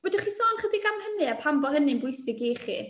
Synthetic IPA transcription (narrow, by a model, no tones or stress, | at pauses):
wɛdɪχisɔːnχədiɡamhənɨapʰambɔhənɨnbʊjsɪɡiχḭ